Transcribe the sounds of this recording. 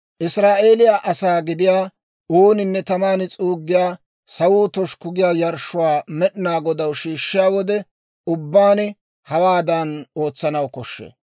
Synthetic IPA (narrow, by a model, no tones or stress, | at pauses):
ʔɪsɾaːʔe̞ːlɪjaːʔɐsaːɡɪd̪ɪjaː | uːnɪnːɛt̪ɐmaːnɪt͡sʼuːɡːɪjaː | sɐwuːt̪ɔʃkʊɡɪjaːjɐɾʃːʊwaːmɛɗɪnaːɡɔd̪ɐwʃiːʃːɪjaːwɔd̪ɛ | ʊbːaːnɪ | hɐwaːd̪ɐno̞ːt͡sːɐnɐwkɔʃːḛː